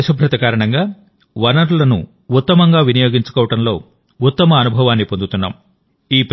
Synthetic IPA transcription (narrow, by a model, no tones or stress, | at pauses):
ɐʃɐbʱɾɐt̪ɐkaːɾɐɳɐŋɡaː | ʋɐnɐɾulɐnṵ | ut̪ːɐmɐŋɡaːʋinɐjo̞ːɡiɲt͡ʃu̥kɔːʋɐʈɐmlo̞ː | ut̪ːɐmɐːnubʱɐʋaːnːipond̪ut̪unːa̰ːm | iːp